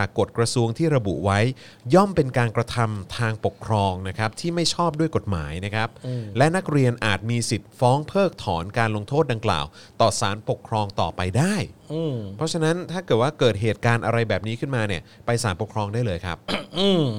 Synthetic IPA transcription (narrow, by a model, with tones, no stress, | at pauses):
t͡ɕaː˨˩kːo˨˩t̪̚kɾa˧su˧əŋt̪ʰiː˥˩ɾa˧bṵ˨˩ʔwa˦˥j | jɔ˥˩mpe˧nkaː˧nkɾa˧t̪ʰa˧mt̪ʰaː˧ŋpo˨˩kʰɾɔː˧ŋna˦˥kʰa˦˥p̚t̪ʰiː˥˩ma˥˩jt͡ɕʰɔː˥˩p̚du˥˩əjko˨˩t̪̚ma̰ː˩˦jna˦˥kʰɾa˦˥p̚ːlɛ˦˥na˦˥k̚ɾi˧ənʔaː˨˩t̪̚miː˧si˨˩t̪̚fɔː˦˥ŋpʰɤː˥˩k̚t̪ʰɔː˩˦nkaː˧nlo˧ŋt̪ʰoː˥˩da˧ŋkla̰ː˨˩w | t̪ɔː˨˩saː˩˦npo˨˩kʰɾɔː˧ŋt̪ɔ̰ː˨˩pa˧jdaː˥˩jɯː˧pʰɔ˦˥t͡ɕʰa˧na˦˥nt̪ʰaː˥˩kɤː˨˩t̪̚waː˥˩kɤː˨˩t̪̚ɦeː˨˩t̪̚kaː˧nʔa˧ɾa˧jbɛː˨˩p̚niː˦˥kʰɯ˥˩nmaː˧ni˥˩əpa˧jsaː˩˦npo˨˩kʰɾɔː˧ŋdaː˥˩lɤː˧jkʰa̰˦˥p̚ɯː˧˩